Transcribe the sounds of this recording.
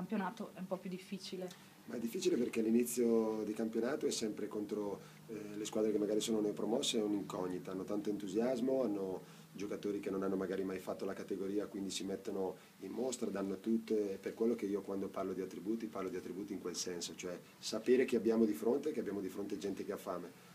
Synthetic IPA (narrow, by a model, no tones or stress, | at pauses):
kampjonaːt̪oʔɛumpɔpjud̪ifːiːt͡ʃile | maɛd̪ːifːit͡ʃileperkɛalːinit̪sːjod̪ikampjonaːt̪oɛsːɛmpɾekont̪ɾo | leskwaːd̪ɾekemːaɡaːɾisoːnonojpɾomɔsːeɛuniŋkɔɲːit̪aanːot̪ant̪oint̪uzjazmoanːo | d͡ʒokat̪oːɾikenonanːomaɡaːɾimajfat̪ːolakat̪eɡoɾiːakwind̪isimet̪ːono | immost̪ɾad̪anːot̪ut̪ːeperkwelːokeiːokwand̪oparlod̪iat̪ːɾibuːt̪iparlod̪iat̪ːɾibuːt̪iːŋkwelsɛnsot͡ʃoɛ | sapeːɾekeabːjaːmod̪ifɾont̪ekeabjaːmod̪ifɾont̪ed͡ʒɛnt̪ekeafːaːme